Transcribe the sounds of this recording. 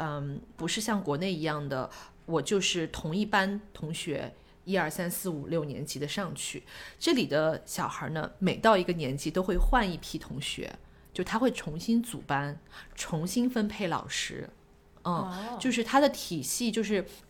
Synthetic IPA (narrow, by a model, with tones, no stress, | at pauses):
ə˥˧pu˧˥ʂɻ̩˥˧ɕ̬jɑ˥˩ŋkwɔ˧˥ne˥˩ɪi˧˥jɑ˥˩ŋd̪ə̰˩ | wɔ˨˩t͡ɕjo˥˧ʊʂɻ̩˥˩t̪ʰʊ˧˥ŋi˥˩pa˥nt̪ʰʊ˧˥ŋɕɥɛ̰˧˥ | i˥ɐ˞˥˩sa˥nsɹ̩˥˩u˨˩ljo˥˩ʊnjɛ̰˧˥nt͡ɕi˧˥d̪ə˧ʂɑ˥˧ŋt͡ɕʰy̰˥˩ʈ͡ʂɤ˥˩li˨˩d̪ə˦ɕjɑ˨˩ʊxə̰˞˧˥nə̰˧me˨˩ɪt̪ɑ˥˩ʊi˧˥ɡə˧njɛ˧˥nt͡ɕi˧˥t̪o˥ʊxwe˥˧ɪxwa˥˧ni˥˩pʰi˥˩t̪ʰʊ˧˥ŋɕɥɛ̰˧˥ | t͡ɕjo˥˩ʊt̪ʰa˥xwe˥˩ɪʈ͡ʂʰʊ˧˥ŋɕi˥nt͡sṵ˨˩pa˥nʈ͡ʂʰʊ˧˥ŋɕi˥nfə˥npʰe˥˩ɪlɑ̰˨˩ʊʂɻ̩˥˧˩ | t͡ɕjo˥˧ʊʂ̬ɻ̩˥˩t̪ʰa˥d̪ə˨t̪ʰi˨˩ɕi˥˧t͡ɕjo˥˧ʊʂ̬ɻ̩˥˩